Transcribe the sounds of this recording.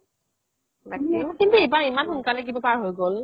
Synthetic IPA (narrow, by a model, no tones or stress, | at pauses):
nakʰikintuebaɹimanxunkalɛk̬ibapaɹɦojɡol